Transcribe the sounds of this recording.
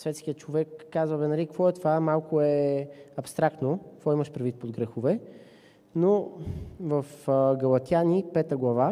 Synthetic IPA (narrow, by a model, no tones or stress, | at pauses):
svɛt̪skʲijət̪t͡ʃovɛkːazvəvɛnɛɾikvɔɛt̪ovamalˠkʊɛɐpst̪ɾakt̪nokvɔiməʃpɾɛd̪vit̪̚pod̪̚ɡɾɛxovɛ | no | vɐfɡɐlˠɐt̪ʲjanipɛt̪əɡlˠɐva